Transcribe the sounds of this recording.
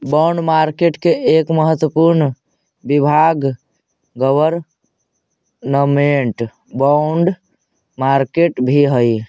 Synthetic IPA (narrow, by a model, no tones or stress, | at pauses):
baʊɳɖmaɾkeʈkeekməɦət̪wəpuɾn | bibʱaɡ | ɡəʋəɾ | nəmeɳʈ | baʊɳɖ | maɾkeʈbʱiɦəj